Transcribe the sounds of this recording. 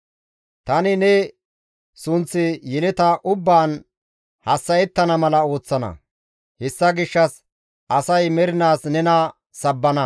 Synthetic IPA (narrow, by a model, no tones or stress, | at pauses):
t̪ɐnɪnɛ | sʊnt͡sːɪjɛlɛt̪ɐʔʊbːaːn | hɐsːɐjɛt̪ːɐnɐmɐlɐo̞ːt͡sːɐnɐ̰ | hɛsːɐɡɪʃːɐs | ʔɐsɐjmɛɾɪnaːsnɛnɐ | sɐbːɐnɐ